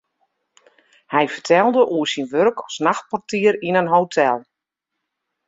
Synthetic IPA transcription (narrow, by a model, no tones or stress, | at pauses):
hɛjfərtʰɛlˠdəʔuəsinʋørkʰɔsnaxt̚pɔrtiəɾinənɦowtʰɛlˠ